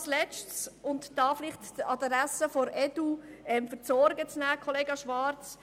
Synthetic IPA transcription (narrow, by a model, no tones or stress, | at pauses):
slɛt͡ʃtsʊntd̥ɑːfɪlɪχtəɑdɾæsəfoɾɛd̥uɛmfəɾt͡sɔɾɡət͡snæːkʰɔleːɡɑʃʋɑɾt͡s